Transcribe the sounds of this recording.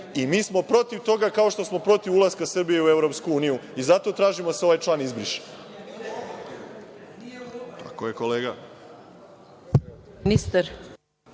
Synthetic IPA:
imiːsmo̞pɾo̞t̪iʋt̪o̞ɡakao̞ʃt̪o̞smo̞pɾo̞t̪iʋulˠaskasr̩bijeue̞vɾo̞pskuuːnijuizat̪o̞t̪ɾaːʒimoseo̞ʋajt͡ʃlˠaːnizbɾiʃe̥ | t̪ʰa̰kojekoleːɡa | nist̪aɾ

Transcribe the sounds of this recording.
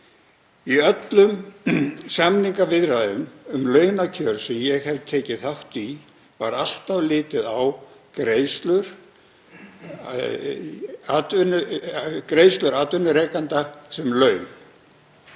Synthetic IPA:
iœt̪lʏm | samniŋkavɪðɾaðʏnʏmlœːɥnacʰœɾsɛmjɛɣhɛvt̪ʰeːcɪθawht̪i | va̰ɾal̥t̪avlɪːt̪ɪðawkɾeːjst̪lʏɾ̥ | at̪vʏnʏkɾeːjst̪lʏɾat̪vʏnːʏɾeːjkant̪asɛmlœɥn

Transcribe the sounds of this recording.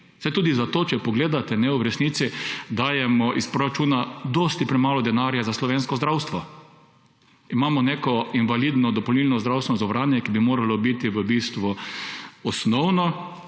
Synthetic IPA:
sɛt̪uːd̪izat̪oːt͡ʃɛpɔɡleːd̪at̪ɛnɛʊɾɛsniːt̪sid̪aːjɛmɔʔispɾoɾat͡ʃuːnad̪ɔst̪ipɾɛmaːlɔd̪ɛnaɾjazaslɔʋeːnskɔzd̪ɾawst̪ʋɔ | imaːmɔneːkɔinʋaliːd̪nɔd̪ɔpɔlnilnɔzd̪ɾawst̪ɛnɔzɔʋɾaːnjɛkibimoːɾalɔbit̪iʋəbist̪ʋu | ɔsnɔwnɔ

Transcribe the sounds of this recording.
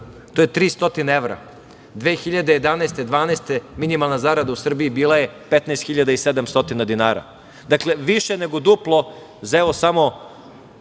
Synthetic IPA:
t̪o̞jet̪ɾiːst̪o̞t̪inaeʋɾa̰ | d̪ʋeːxiʎad̪ejed̪anaest̪ed̪ʋaːnest̪eminimalˠnazaɾad̪ausr̩biːbiːlˠaje̞pet̪naːst̪xiʎad̪aised̪amst̪o̞t̪inad̪inaːɾa̰ | d̪akle̞ʋiʃeneɡo̞d̪uplˠo | zeʋosamo̞

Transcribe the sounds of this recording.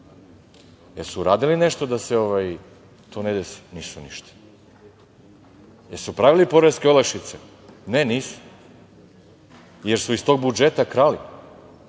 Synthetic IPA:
jeɾsuɾaːd̪ilineʃt̪od̪aseoʋaj | t̪ʰoːned̪esi̥niːsuniʃt̪ḁ | jeɾsupɾaʋilipo̞ɾeskʲeolˠakʃit̪se | neniːsu̥ | jeɾsuist̪o̞ɡ̚bud͡ʒet̪akɾali

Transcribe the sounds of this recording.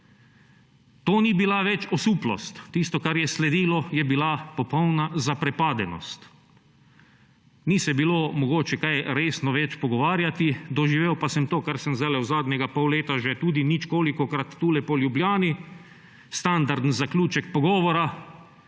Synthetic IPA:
t̪oːnibilaʋɛt͡ʃɔsuːplɔ̰st̪ːist̪ɔkaɾjɛslɛd̪iːlɔjɛbilapɔpɔwnazapɾɛpaːd̪ɛnɔ̰st̪ | nisɛbiloːmɔɡoːt͡ʃɛkajɾeːsnɔʋɛt͡ʃpɔɡɔʋaːɾjat̪id̪ɔʒiʋewpasɛmt̪oːkaɾsɛmzalɛwzaːd̪ɲʲɛɡapɔwleːt̪aʒɛt̪uːd̪init͡ʃkoːlikɔkɾat̪ːuːlɛpɔljubljaːni | st̪and̪aɾd̪n̩zaklʲuːt͡ʃɛkpɔɡɔːʋɔɾa

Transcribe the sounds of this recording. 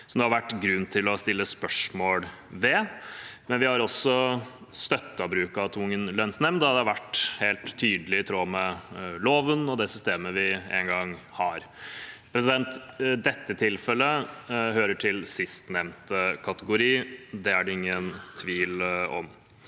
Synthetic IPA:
sɔmd̪ɛhɑɾʋæʈːɡɾʉnːt̪ʰɪlɔst̪ɪlːəspœʂmoːɽ | ʋɛ | mɛnʋɪhɑɾɔsːɔ | st̪œt̪ːɑbɾʉːkɑt̪ʰʊŋːənlœnsnɛmnd̪hɑd̪ɛɑɾʋæʈːheːlt̪ʰːyːd̪əlɪt̪ʰɾoːmɛloːʋənɔd̪ɛsʏst̪eːməʋɪɛ̰ŋɡɑŋ | hɑɾ | pʰɾɛs̬ɪd̪ɛnt̪d̪ɛt̪ːət̪ʰɪlfɛlːəhøːɾəʈʰɪlsɪst̪nɛmnt̪əkʰɑt̪əɡʊɾiːd̪ɛæɖɛɪŋːənt̪ʰʋiːlɔ̰m

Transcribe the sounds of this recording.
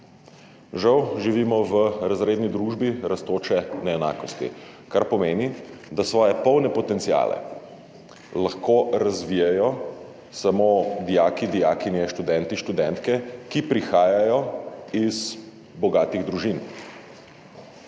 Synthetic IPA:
ʒawʒiʋiːmɔʋəɾazɾeːd̪nid̪ɾuːʒbiɾast̪oːt͡ʃɛnɛɛna̰ːkɔst̪ḭkaɾpɔmeːnid̪asʋɔːjɛpɔwnɛpɔt̪ɛnt̪sija̰ːlɛ̰ | laxkoɾazʋiːjajɔ | samod̪ijaːkid̪ijaːkinjɛʃt̪ud̪ɛnt̪iʃt̪ud̪ɛnt̪kɛkipɾixaːjajɔiz | bɔɡaːt̪iɣd̪ɾuʒin

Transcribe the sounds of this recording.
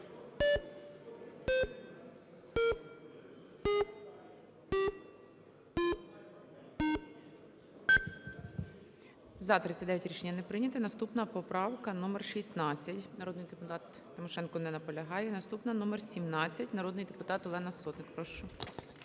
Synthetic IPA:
zɐt̪ɾɪt͡sʲɐtʲd̪ɛʋjɐtʲɾʲiʃenʲːɐnɛpɾɪnʲɐt̪ɪnɐst̪upnɐpɔpɾɑwkɐnumerʃisnɑt͡sʲːɐtʲnɐɾɔd̪nɪjd̪epʊt̪ɑt̪ːɪmɔʃɛnkɔnɛnɐpɔlʲɐɦɑjɛnɐst̪upnɐnumersʲimnɑt͡sʲːɐtʲnɐɾɔd̪nɪjd̪epʊt̪ɑt̪ɔlˠɛnɐsɔt̪nɪkpɾɔʃt͡ʃɔ

